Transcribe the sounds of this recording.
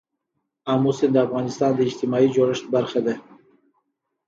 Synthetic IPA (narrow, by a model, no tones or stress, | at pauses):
amusind̪əafɣɑnɪst̪ɑnd̪əid͡ʒt̪imɑid͡ʒoɾəʃt̪̚baɾxed̪e